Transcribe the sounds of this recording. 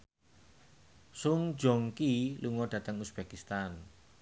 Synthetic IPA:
suŋ̥d͡ʒɔŋkiluŋɔd̥ä̤t̪əŋusb̥ɛkist̪an

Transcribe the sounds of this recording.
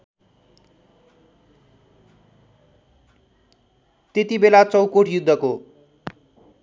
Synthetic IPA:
t̪et̪ibelat͡sʌwkoʈʰjud̪ʱːʌko

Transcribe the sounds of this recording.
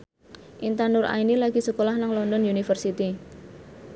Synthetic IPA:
ʔint̪anʊrʔa̰inilaɡ̥i̤səkolahnaŋlɔndɔnjunifərsit̪i

